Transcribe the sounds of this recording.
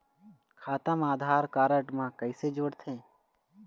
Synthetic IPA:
kʰaːt̪əmaːd̪ʱaːɾkaːɾəʈmãːkəɪsed͡ʒoːɽt̪ʰẽː

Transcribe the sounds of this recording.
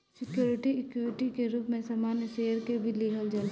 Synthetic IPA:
sɪkjoːɾɪʈiɪkjoːɾɪʈikeɾuːpmẽsamaːnjəseːjəɾkebʱiliːɦəld͡ʒal

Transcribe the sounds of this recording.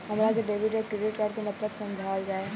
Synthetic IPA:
ɦɐmɾakeɖeːʋɪʈɔkɾeɖɪʈkaːɾkenɐpɾət̪sɐ̃md͡ʒʱaːld͡ʒaːe

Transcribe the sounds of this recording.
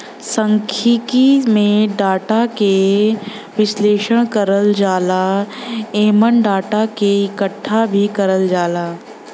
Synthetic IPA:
sə̃ŋkʰikimẽɖaːʈake | ʋɪsleːʃəɽ̃kɐɾəld͡ʒaːla | eːmənɖaːʈakeɪkəʈʰːabʱikɐɾəld͡ʒaːlaː

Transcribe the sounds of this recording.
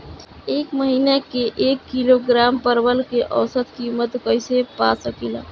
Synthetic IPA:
ekməɦinakeʔekːiloɡɾampəɾbəlkeʔəwsət̪kimət̪kəjsepasəkila̰

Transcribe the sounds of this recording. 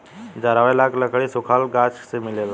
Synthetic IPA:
d͡ʒaɾaʋelakʰləkʰɭisukʰalɡat͡ʃsemilel

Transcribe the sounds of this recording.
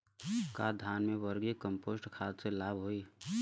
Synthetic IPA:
kad̪ʱaːnmẽʋəɾɡekəmpoːsʈkʰaːt̪selaːbɦoːi

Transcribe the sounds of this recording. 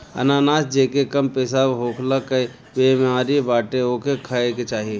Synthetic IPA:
ə̰naːnaːsd͡ʒeːkekɐmpeːsabɦoːkʰlakəj | bemãːɾibaːʈeoːkʰekʰəeket͡ʃaːɦie

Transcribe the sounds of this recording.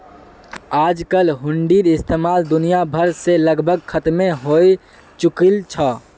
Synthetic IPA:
aːd͡ʒkəlɦʊɳɖiɾɪst̪eːmaːld̪ʊnijabʱəɾseləɡbʱəɡ̚kʰət̪mẽɦoi | t͡ʃʊkilt͡ʃʰɔ

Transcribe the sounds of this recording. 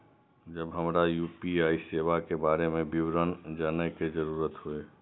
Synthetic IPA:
d͡ʒəbɦəmɾajuːpiaːiseːʋakebaːɾemẽbɪwɾənd͡ʒaːneked͡ʒəɾuːɾət̪ɦoe

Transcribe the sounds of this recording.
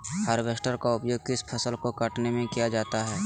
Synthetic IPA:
həɾʋesʈəɾkaʊpjoːɡ̚kɪspʰəsəlkokəʈnemẽkijad͡ʒaːt̪aɦɛː

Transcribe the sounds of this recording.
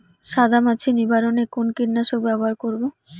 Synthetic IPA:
ʃad̪ʱamat͡ɕʰinibʱaɾonekonkiɾnaʃobɛboɦaɾkoɾbo

